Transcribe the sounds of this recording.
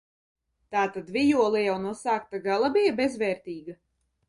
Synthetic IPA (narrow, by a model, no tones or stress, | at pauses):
t̪aːt̪ad̪vʲijuɔlˠijawnuɔsaːk̚t̪aɡalˠabijabezvɛːɾt̪ʲiːɡa